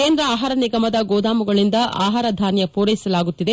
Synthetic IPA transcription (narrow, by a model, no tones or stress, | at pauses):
keːnd̪ɾɐaːɦaːɾɐniɡɐmɐd̪ɐɡoːd̪aːmuɡɐɭind̪ɐʔaːɦaːɾɐd̪ʱaːnjɐpuːɾɐjisɐlaːɡut̪ːid̪e